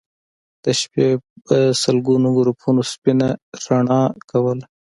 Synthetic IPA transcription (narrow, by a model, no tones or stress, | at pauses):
d̪̥əʃpesəlɡunoɡʊɾupʰunospinaɾaɳɑkawəl